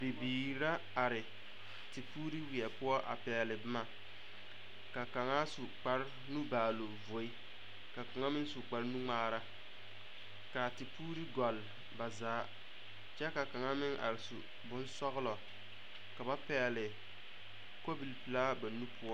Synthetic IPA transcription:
bi˨biː˨ɾa˦ | a˨ɾɪ˨ | tɪ˨puː˦ɾi˦wi˨ɛ˨pʊ˦ɔ˦ʔa̰˨pɛː˨lɪ˨bɪ˦ma˦ | ka˨ka˨ŋa˦su˨k͡pa˦ɾ | nu˦baː˨lo˨vo˨˦i˦ | ka˨ka˨ŋa˦mɪ˦ŋsu˨k͡pa˨ɾnu˦ŋ͡maː˦ɾa˦ | ka˨tɪ˨puː˦ɾi˦ɡɔ˨l | ba˨zaː˨˦ | t͡ʃɛ˦ka˨ka˨ŋa˦mɪ˦ŋʔa̰˨ɾɪ˨su˨ | bʊ˦nsɔ˦ɣlɔ˨ | ka˨ba˦pɛː˨lɪ˨ | ko˦bi˨lpɨ˨la˦ba˨nu˦pʰʊ˦ɔ˦

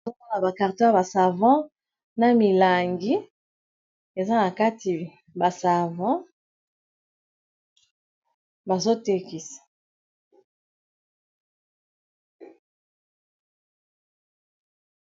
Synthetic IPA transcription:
o˦o˦na˨ba˨ka˨ʁtɔ̃˦a˨ba˨sa˨vɑ̃˦ | na˦mi˨la˨ŋɡi˦ | e˨za˦na˨ka˦ti˨ | ba˨sa˨vɑ̃˦ | ba˨zo˦te˦ki˨sḁ˨

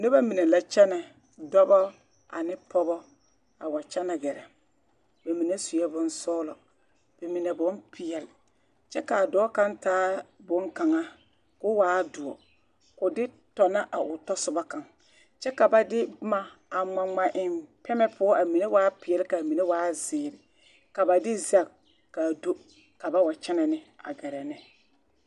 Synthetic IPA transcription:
ne˦ba˦mi˨ne˨la˦t͡ʃɛ˦nɛ˨ | dɔ˦bɔ˦ | a̰˨nɪ˦pɔ˦bɔ˦ | a˨wa˨t͡ʃɛ˦na˨ɡɛ˨ɾɛ˨ | ba˨mi˨ne˦su˨jɛ˦bʊ˦nsɔː˦lɔ˨ | b̥e˨mi˨ne˨bʊ˦npʰɪ˨jɛ˨lɪ˨ | t͡ʃɛ˦ka˨dɔː˨˦ka˦ntaː˦bʊ˦ŋka˨ŋa˦ | kʊ˦waː˨˦dʊ˨ɔ̰˨ | kʊ˨dɪ˦ | tɔ˨na˦ʔa˨ʔʊ˨tɔ˦sʊ˦ba˦ka˨ŋ | t͡ʃɛ˦ka˨ba˦dɪ˦ma˦ | a˨ŋ͡ma˨ŋ͡ma˨ʔɪ˦˨mpɛ˦mɛ˦pʰʊ˦ɔ˦ʔa˨mi˨ne˦waː˦pɪ˨ɛ˨lɪ˦ka˨mi˨ne˦waː˦zɪː˨ɾɪ˨ | ka˨ba˨dɪ˦za˦k | ka˨do˦ | ka˨ba˦wa˨t͡ʃɛ˦na˨nɪ˦a̰˨ɡɛ˨ɾɛ˨nɛ˦

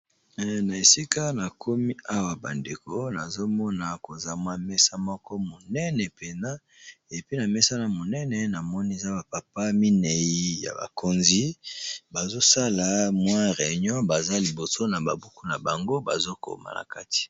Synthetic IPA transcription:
na˨e˨si˦ka˦na˨kʰo˦mi˦a˦wa˨ba̰˨nde˨ko˦na˨zo˦mɔ˦na˨ko˨za˨mwa˦mɛ˦sa˦mɔ˦kɔ˦mo˨nɛ˦nɛ˨pe˨na˦ | e˨pi˦na˨mɛ˦sa˦na˨mo˨nɛ˦nɛ˨na˨mɔ˦ni˦e˨za˦ba˨pa˨pa˦mi˦nɛ˨ji˦ja̰˨ba̰˨ko˨nzi˦ba˨zo˦sa˦la˨mwa˦ʁe˨ɲɔ̃˦ba˨za˦li˨bo˨so˦na˨ba˨bu˦ku˦na˨ba˨ŋɡo˦ba̰˨zo˦ko̰˨ma̰˨na̰˨ka˦ti̥˨

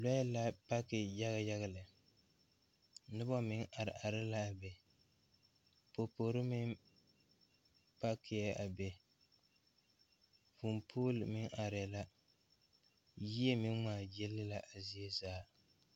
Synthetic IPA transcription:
la˦la˦pa˦kɪ˨ja˦ɣa˦ja˦ɣa˦˨lɨ˨ | nɨ˦bɔ˦mɪ˦ŋʔa˨ɾɪ˨ʔa˨ɾɪ˦la˦a˨bɛ˨ | po˨po˨ɾɨ˦mɪ˦ŋ | pa˦kʰɪ˨jɛ˦a˨bɛ˨ | fu˨mpʰuː˦lɨ˨mɪ˦ŋʔa˨ɾɪ˨la˦ | ji˦e˦mɪ˦ŋmaː˨jɛ˦lːɨ˦la˨ʔa˨zi˦e˦zaː˦

